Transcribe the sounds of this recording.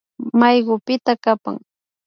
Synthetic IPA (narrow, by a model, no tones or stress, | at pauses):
majɢʊpɪt̪akapa̰ŋ